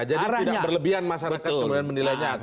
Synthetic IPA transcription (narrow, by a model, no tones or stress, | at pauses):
d͡ʒadid̪idak̚bərləbiɦanmaʃaɾakat̪̚kəmudianmənilajɲa